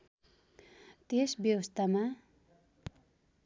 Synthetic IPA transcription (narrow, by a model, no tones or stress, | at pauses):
t̪esbjʌwʌst̪ama